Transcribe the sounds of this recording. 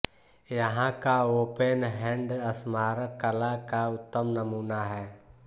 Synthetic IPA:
jəɦãkaopenɦɛ̃ɳɖəsmaɾəkəlakaʊt̪ːəmnəmuːnaɦɛː

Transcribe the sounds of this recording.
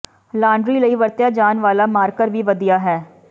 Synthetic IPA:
laːɳɖɾiːləiʋəɾt̪jaːd͡ʒaːnʋaːlaːmaːɾkəɾʋʱiːʋəd̪ijaːɦɛː

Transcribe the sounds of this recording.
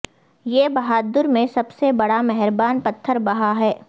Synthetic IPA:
jeːbɐɦaːd̪əɾmẽsɐbsebɐɽamɛɦɛɾbaːnpɐt̪ʰːəɾbɐɦaɦɛː

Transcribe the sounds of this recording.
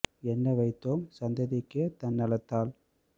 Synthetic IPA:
ɛnːɐʋɐɪt̪ːoːmsɐnd̪ɐðɪkːet̪ɐnːɐlɐt̪ːaːl

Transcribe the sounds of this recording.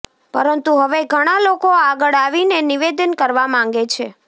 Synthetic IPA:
pə̰ɾənt̪uɦəʋeɡʱəɽ̃alokoaɡəɭaʋineniʋed̪ənkəɾʋamãŋ̆ɡet͡ʃʰe

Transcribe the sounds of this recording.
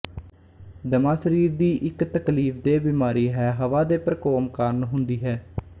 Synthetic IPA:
d̪əmaːsəɾiːɾd̪iːʔɪkt̪əkliːfd̪eːbiːmaːɾiːɦɛːɦəʋaːd̪eːpəɾkoːmkaːɾnɦʊnd̪iːɦɛː

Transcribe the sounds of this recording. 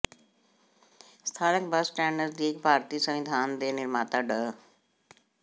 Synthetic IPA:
st̪ʰaːnəkbəsʈɛːɳɖəɾsd̪ikbʱaːɾt̪iːsəmid̪ʱaːnd̪eːnɪɾmaːt̪aɖə

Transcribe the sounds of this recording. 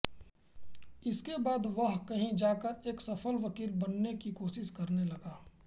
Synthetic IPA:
ɪskebaːd̪ʋəɦkɐɦĩd͡ʒaːkəɾeːksɐpʰəlʋɐkiːɾbɐnːekikoːʃɪskɐɾnelɐɡaː

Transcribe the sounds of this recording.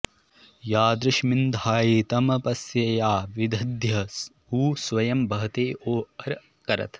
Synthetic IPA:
jaːd̪ɾɐʃmind̪ʱaːjit̪ɐmɐpɐsjɐjaːʋid̪ʱɐd̪ʱjɐ | uːsʋɐjɐmbɐɦɐt̪eːʔoːɐɾ | kɐɾɐ̰t̪

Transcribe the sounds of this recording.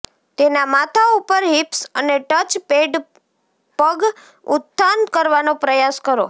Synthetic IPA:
t̪enamat̪ʰaupəɾɦipsəneʈət͡ʃpeɖ | pəɡ | ʊt̪ʰːankəɾʋanõpɾəjaskəɾo

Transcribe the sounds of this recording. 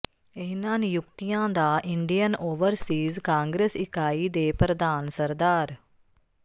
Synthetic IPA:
ɪɦnaːnjʊkt̪ijãːd̪aːʔɪɳɖijənoːʋəɾsiːzkãːŋɡɾeːsɪkaːiːd̪eːpɾəd̪aːnsəɾd̪aːɾ

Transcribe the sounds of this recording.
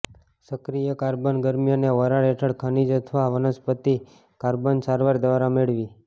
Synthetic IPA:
səkɾijəkaɾbənɡəɾmjəneʋəɾaɽɛʈʰəɽkʰənid͡ʒət̪ʰʋaʋənəspət̪i | kaɾbənsaɾʋaɾd̪ʋaɾameɭʋi

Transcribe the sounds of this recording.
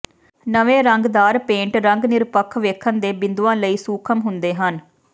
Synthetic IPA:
nəʋẽːɾəŋɡd̪aːɾpẽːɳʈɾəŋɡnɪɾpəkʰʋeːkʰənd̪eːbɪnd̪uãːləiːsuːkʰəmɦʊnd̪eːɦən

